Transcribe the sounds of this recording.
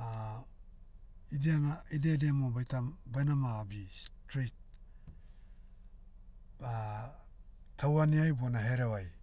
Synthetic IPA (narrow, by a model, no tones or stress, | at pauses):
a | idenaidedemobajtambajnamaːbistɾit̚ | a | tʰawaniajbuanaɦeɾewaj